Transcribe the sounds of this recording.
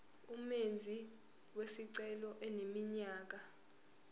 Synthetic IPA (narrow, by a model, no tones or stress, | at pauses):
umend͡zʱi | wesiǀɛlɔʔɛnemiɲaːk̬a